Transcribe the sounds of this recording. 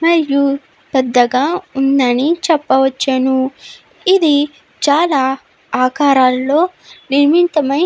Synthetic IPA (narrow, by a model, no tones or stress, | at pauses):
mɐɾju | pɛd̪ːɐɡaːund̪ɐnit͡ʃɛpːɐʋɐt͡ʃːɐnu | id̪i | t͡ʃaːlaː | aːkaːɾaːlːo̞ːniɾmint̪ɐmɐj